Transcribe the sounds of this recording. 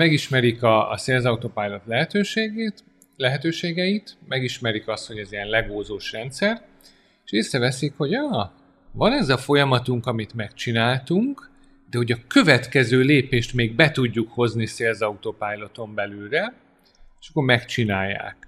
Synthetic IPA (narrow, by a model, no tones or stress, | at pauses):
mɛɡiʃmɛɾikɒ̰ːseːlzɒut̪opaːjlo̞t̪lɛɦɛt̪øːʃeːɡeːt̪ | lɛɦɛt̪øːʃeːɡɛjit̪mɛɡiʃmɛɾikɒst̪ho̞ɟɛzijɛnlɛɡoːzoːʃrɛnt̪sɛr | eʃeːsɾɛvɛsikho̞ɟɒː | vɒnɛzɒfo̞jɒmɒt̪uŋkɒmit̪mɛkt͡ʃinaːlt̪uŋk | d̪ɛho̞ɟɒkø̞vɛt̪kɛzøːleːpeːʃt̪meːɡ̚bɛt̪uɟːukho̞zniseːlzɒut̪opaːjlo̞t̪o̞mbɛlylrɛ | eʃɒkːoːrmɛkt͡ʃinaːjːa̰ːk